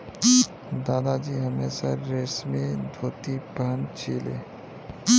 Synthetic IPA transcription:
d̪aːd̪ad͡ʒiːɦɐmeːsaɾeːsmẽd̪ʱoːt̪ipəɦənt͡ʃʰeːlḛː

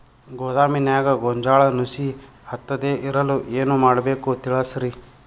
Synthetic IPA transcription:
ɡoːd̪aːminjaːɡɐɡɔɲd͡ʒaːɭɐnusi | hɐt̪ːɐd̪eːʔiɾɐluʔeːnumaːɽɐbeːkut̪iɭɐsɾi

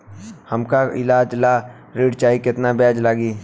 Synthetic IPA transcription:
həmkaɪlaːd͡ʒlaː | ɾeːɖt͡ʃaːikɪt̪nabɛːd͡ʒlaːɡiː

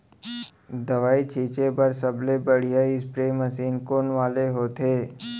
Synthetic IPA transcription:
d̪ɐʋaːit͡ʃʰiːt͡ʃebɐɾsɐblebəɽ̤ijaɪspɾeːməsiːnkoːnʋaːleɦoːt̪ʰeː

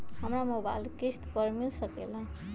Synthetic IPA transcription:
ɦəmɾamoba̰jlkist̪pəɾmilsəkḛla

